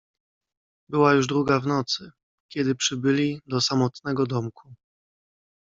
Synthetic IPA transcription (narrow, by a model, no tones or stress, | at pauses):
bɘwajuʐd̪ɾuɡavnɔt̪sɘ | kʲɛd̪ɘpʂɘbɘlʲid̪ɔsamɔt̪nɛɡɔd̪ɔmkʰu